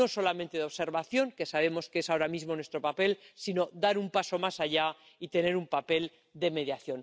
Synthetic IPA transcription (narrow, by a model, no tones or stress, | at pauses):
o̞so̞lamẽnt̪e̞ðeose̞ɾβaθjo̞ŋke̞saβe̞mo̞skeesaoɾamizmo̞nwe̞st̪ɾopape̞lsino̞d̪aɾumpaso̞masaʝa | it̪e̞ne̞ɾumpape̞l | d̪e̞me̞ðjaθjo̞n